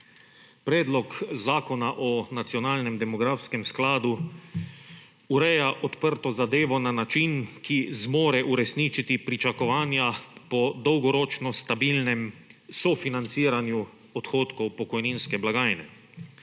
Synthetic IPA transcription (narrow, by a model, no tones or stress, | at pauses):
pɾɛːd̪lɔkzaːkɔnaʔɔnat̪sjɔnaːlnɛmd̪ɛmɔɡɾafskɛmsklaːd̪u | uɾɛjaʔɔt̪pəɾt̪ɔzad̪eːʋɔnanat͡ʃinkizmoːɾɛʔuɾɛsniːt͡ʃit̪ipɾit͡ʃakɔʋaːnjapɔd̪ɔwɡɔɾɔːt͡ʃnɔst̪abilnɛmsɔfinant̪siːɾanju | ɔt̪xoːt̪kɔwpɔkɔjniːnskɛblaɡaːjnɛ̰